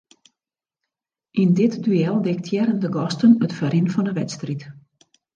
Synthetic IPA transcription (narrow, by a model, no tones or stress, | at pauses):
ʔindɪtdyɛlˠdɪktʰjɛɾəndəɡɔstənətfəɾɪnfɔndəʋɛtstrit